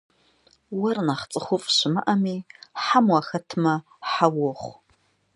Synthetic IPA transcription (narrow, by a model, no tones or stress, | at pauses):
warnaχt͡sʼɨχʷʊpʼʃʷɪma̰ʔamiħamwaxɐtʰma | ħawoχʷ